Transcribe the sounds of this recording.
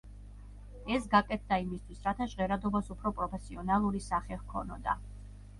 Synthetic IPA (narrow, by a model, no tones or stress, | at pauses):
ɛsɡakʼɛt̪̚ʰd̪aimist̪ʰwisɾat̪ʰaʒʁɛɾad̪ɔbasupʰɾɔpʼɾɔpʰɛsiɔnalˠuɾisaχɛhkʰɔnɔd̪a̰